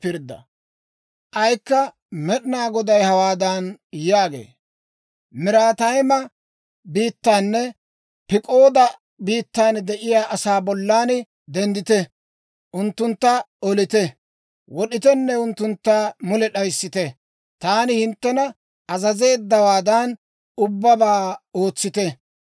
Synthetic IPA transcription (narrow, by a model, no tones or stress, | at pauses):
pɪɾd̪ɐ̰ | ʔɐjkːɐ | mɛɗɪnaːɡɔd̪ɐjhɐwaːd̪ɐnjaːɡḛː | mɪɾaːt̪ɐjmɐ | biːt̪ːaːnːɛ | pɪkʼo̞ːd̪ɐ | biːt̪ːaːnd̪ɛʔɪjaːʔɐsaːbɔlːaːn | d̪ɛnd̪ɪt̪ɛ | ʔʊnt̪ːʊnt̪ːɐ | ɔlɪt̪ɛ | wɔɗɪt̪ɛnːɛʊnt̪ːʊnt̪ːaːmʊlɛɗɐjsːɪt̪ɛ | t̪aːnɪhɪnt̪ːɛnɐ | ɐzɐze̞ːd̪ːɐwaːd̪ɐn | ʊbːɐbaːoːt͡sːɪt̪ɛ